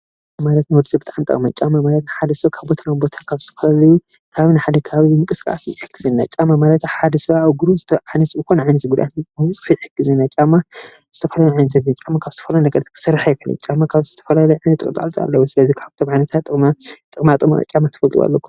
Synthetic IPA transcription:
malɐt̪nɨwɔɾsʼibɨt̪ʼaʕamt̪ʼɐ̰kʼmat͡ʃʼamamalɐt̪nɨħad̪ɐsβakʰaβbo̞t̪ʰanawbo̞t̪ʰakʰaβzɨ̥t̪ʰɐfɐlalɐju | kʰaβinɨħad̪ɐkʰɐaβibɨmɨkʼɨskʼa̰sjɪħɨɡɨzɨnːa̰t͡ʃʼamːamalɐt̪ħad̪ɐsɨβaaβɡuɾuzɨt̪ʰɐʕanɐsbɨko̞nʕanzʼiɡud̪ʔat̪nɨt͡ʃʼmat͡sʼɨ̥ħujɪħɨɡɨzɨnːat͡ʃʼamːaz̥ɨt̪ʰɐfɐlaljuʕajnɐt̪ʰɐzint͡ʃʼamːakʰaβzɨt̪ʰɐfɐlɐnɐkʼɐd̪ɐt̪kʰɨ̥sɨrːħajkʰɐlɐ̰t͡ʃʼamːakʰaβzɨt̪ʰɐfɐlalɐjʕajnɐt̪ːɨkʼt̪ʼa̰lt͡sʼa̰lːɐwusɨlɐzikʰaβt̪ʰomʕajnɐt̪ʰat̪ʼːɨkʼmat̪ʼɨkʼmat̪ʼɨma̰t͡ʃʼamat̪ʰɨfɐlt̪ʼwa̰lːɐkːu̥

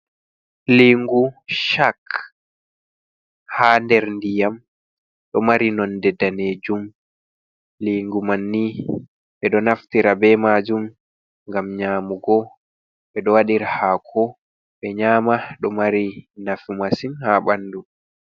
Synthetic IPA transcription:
liŋɡuʃak | haːndɛɾndijam | ɗɔmaɾinɔndɛdaneːd͡ʒum | liːŋɡumanːi | ɓɛɗɔnaftiɾabɛmaːd͡ʒum | ŋɡamɲaːmuɡɔ | ɓɛɗɔwaɗiɾahaːkʰɔ | ɓɛɲaːmaɗɔmaɾinafimasinhaɓanːdu

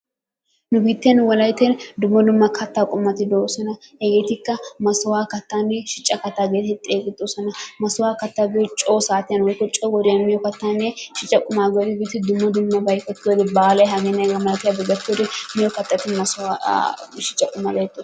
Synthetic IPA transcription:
nʊbiːt̪ːɪjɐnwɔlɐjt̪end̪ʊmːɐd̪ʊmːɐkʰɐt̪ːakʼʊmːɐt̪ːɪd̪oːsɔnɐhɛɡeːt̪ɪkːɐmɐsʊwaːkɐt̪ːaːnːɛʃɪt͡ʃʼːɐkɐt̪ːaːɡeːt̪ɛt̪ʼːeːɡɪt̪ʼːosɔnɐmɐsʊwaːkɐt̪ːaɡɛɔt͡ʃʼoːsaːt̪ɪjɐnwɔjkːɔt͡ʃʼɔɡɔd̪enmɪjɔkɐt̪ːanːeʃɪt͡ʃʼːɐkʼʊmaːɡɛt̪ɪbiːt̪ːɪd̪ʊmːɐd̪ʊmːɐbɐjkːɔt̪ːɪod̪ɪbaːlɐjɦɐɡeːnːɛɡɐmɐlɐt̪ɪjabɪɡɐt̪ːd̪ɪmɪjɔkɐt̪ːɐt̪ɪnmɐsaʃɪt͡ʃʼːɐkʼʊmːɐɡɐjt̪ːo

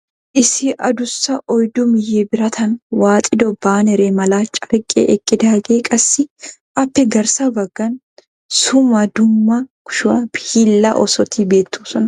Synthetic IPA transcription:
ʔɪsɪʔɐd̪ʊsːɐʔɔjd̪ʊmɪjːebɪɾɐt̪ʰɐnwaːt̪ʼɪd̪ɔbːaːnɛɾeːmɐlaːt͡ʃʼːɐɾkʼːɛ̰ʔɛkʼːɪd̪aːɡeːkʼɐsːɪʔɐpːɛɡɐɾsɐbɐɡ̥ːɐn | sʊmɐd̪ʊmːɐkʊ̥ʃʊɐbɪhilːɐ̰ʔɔsɔt̪iːbeːt̪ːuːsɔn

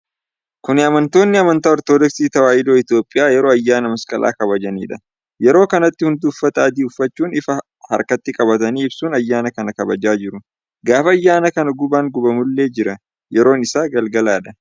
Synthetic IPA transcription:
kʊnɪɐmɐnt̪o̞ːnːɪɐmɐnt̪aːɔɾt̪oːd̪ɔksiːt̪ɐwaːʔɪd̪o̞ːɪt̪jo̞ːpʼːɪjaːjɛɾo̞ːɐjːaːnɐmɐskʼɐlʔa̰ːkɐbɐd͡ʒɐnḭːᶑɐ | jɛɾo̞ːkɐnɐt̪ːɪhʊnd̪ʊːfːɐt̪ɐɐd̪iːʊfːɐt͡ʃːuːnɪfɐ | hɐ̰ɾkɐt̪ːɪkʼɐbɐt̪ɐniːɪbsuːnɐjːaːnɐkɐnɐkɐbɐd͡ʒaːd͡ʒɪɾʊ | ɡaːfɐɐjːaːnɐkɐnɐɡʊbaːŋɡʊbɐmʊlːe̞ːd͡ʒɪɾɐ | jɛɾo̞ːnɪsaːɡɐlɡɐlaːᶑɐ

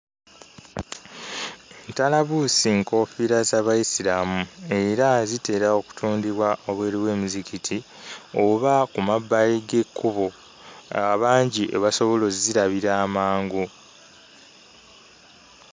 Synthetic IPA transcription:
ntalaβusiŋko̞ːfiɾazaβajisiɾamue̞ɾazite̞ːɾao̞ku̥tʰuːndiβwaʔoβwe̞ːɾiwe̞ːmuzikitʰi | oβakumabːajiɡe̞kʰːuβo | aβaːɲɟiʔḛβaso̞βo̞lo̞ziɾaβiɾaːmaːŋɡo

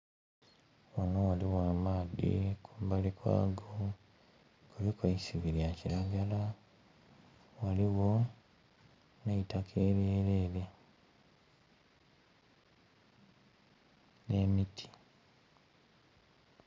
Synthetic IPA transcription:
wanowaliwaːmaːdḭkʰumbalikwa̰ːɡo | kuβikwaisiβiɾjaciɾaɡala | waliwo̞ | neitakʰe̞ːɾjeːɾeːle | ne̞ːmitʰi̥

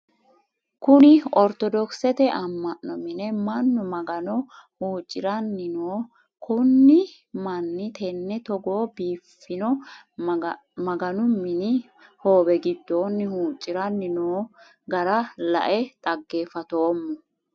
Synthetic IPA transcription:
kʊnɪɔɾt̪ɔd̪ɔksɛt̪ɛʔɐmːɐʔːɔmɪnɛmɐnːɔmɐɡɐnɔhuːt͡ʃʼːɪɾɐnːɪnoː | kʰʊnːɪ | mɐnːɪt̪ʰɛnːɛt̪ɔɡoːbiːfːɪnɔ | mɐɡɐnʊmɪnɪ | ho̞ːbɛɡɪd̪ːoːnːɪhuːt͡ʃʼːɪɾɐnːɪnoː | ɡɐɾɐlɐ̰ʔɛt̪ʼɐɡːe̞ːfɐt̪oːmːɔ

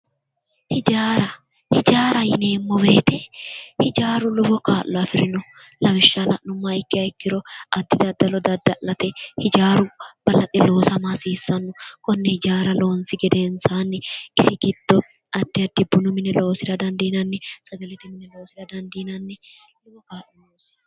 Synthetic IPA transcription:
hɪd͡ʒaːɾɐ | hɪd͡ʒaːɾɐjɪneːmːɔbeːt̪ɛhɪd͡ʒaːɾʊlʊbɔkaːʔːɔɐfɪɾɪnʊ | lɐmɪʃːalɐʔnʊmːaɪkːɪɐɪkːɪɾɔɐd̪ːɪd̪ɐd̪ːɐlɔd̪ɐd̪ːɐʔlːɐt̪ɛhɪd͡ʒaːɾʊb̥ɐlɐt̪ʼːɪlo̞ːsɐmasiːsːɐnːʊkɔnːɛhɪd͡ʒaːɾɐlo̞ːnsɪɡɛd̪e̞ːnsaːnːɛɪsɪɡɪd̪̥ːɔ | ɐd̪ːɪɐd̪ːɪbʊnʊmɪnɛlo̞ːsɪɾɐd̪ɐnd̪iːnɐnːɛsɐɡɐlɛt̪ɪmɪnɛlo̞ːsɪɾɐd̪ɐnd̪iːnɐnːɛ | lʊbɔkaːlːɔloːs

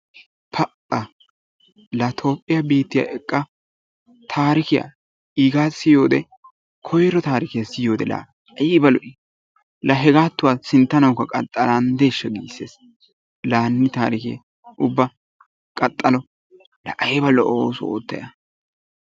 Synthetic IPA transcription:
pʰɐʔɐ | lɐt̪ʰo̞ːpʼːɪjabiːt̪ːɪja̰ːʔɛkʼːɐ | t̪ʰaːɾɪkɪja̰ | iːɡaːsɪjo̞ːd̪ɛ | kʰɔjɾɔt̪aːɾɪkɪjɐsɪjo̞ːd̪ɛla̰ | ɐjɪbɐlɔʔɪ | lɐɦɛɡaːt̪ːʊwaːsɪnt̪ːɐnɐwkːɐkʼɐt̪ʼːɐlaːnd̪e̞ːʃːɐɡḭːsːeːs | laːnːɪt̪aːɾɪkɪ̰ | ʔʊbːɐ | kʼɐt̪ʼːɐlɔ | lɐ̰ʔɐjbɐlɔʔoːsʊo̰ːt̪ːɐ̰jɐ

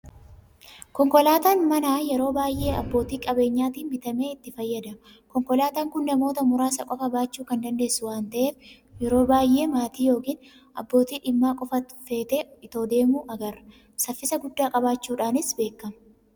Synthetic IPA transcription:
kɔŋkɔlaːt̪aːnmɐnaːjɛɾo̞ːbaːjʔe̞ːɐbːo̞ːt̪iːkʼɐbe̞ːɲːaːt̪iːnmɪt̪ɐme̞ːɪt̪ːɪfɐjːɐd̪ɐm | kɔŋkɔlaːt̪aːŋkʊnːɐmo̞ːt̪ɐmʊɾaːsɐkʼɔfɐbaːt͡ʃːuːkɐnd̪ɐnd̪e̞ːsːʊwaːnt̪ɐʔeːf | jɛɾo̞ːbaːjʔe̞ːmaːt̪iːjo̞ːkiːn | ʔɐbːo̞ːt̪iːᶑɪmːaːkʼɔfɐfe̞ːt̪eːɪt̪oːd̪e̞ːmuːʔɐɡɐrɐ | sɐfːɪsɐɡʊd̪ːaːkʼɐbaːt͡ʃːuːᶑaːnɪsbe̞ːkːɐmɐ

